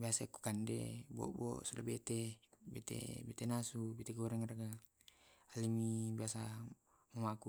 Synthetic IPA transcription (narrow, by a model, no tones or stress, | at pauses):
biasaiku̥kandɛ̰bɔ̰ʔbɔ̰sulabɛt̪ɛbɛt̪ɛ̰bɛt̪ɛnasubɛt̪eɡɔɾɛŋaraɡa | alimibiasa | mumaku